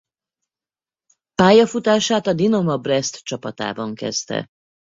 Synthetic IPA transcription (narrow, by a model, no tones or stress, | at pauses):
paːjɒfut̪aːʃaːt̪ɒd̪inɒmɒbrɛst̪t͡ʃɒpɒt̪a̰ːbɒŋkɛ̰zt̪ɛ̰